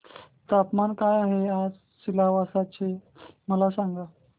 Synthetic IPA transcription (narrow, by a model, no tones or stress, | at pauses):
t̪apmankajaɦead͡z | silaʋasat͡ɕe | məlasaŋɡa